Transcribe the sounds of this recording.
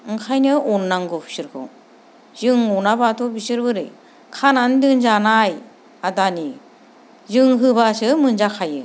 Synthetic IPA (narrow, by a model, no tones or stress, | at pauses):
ɯŋkʰajnɯɔnːaŋɡɯpʰi̥sɯɾkʰɯ̰ | zɯŋɔnabatʰɔbisɯɾbɯɾɯ̰j | kʰanandɯŋzanaj | adani | zɯŋɦɯβasɯmɯnzakʰajɯ̰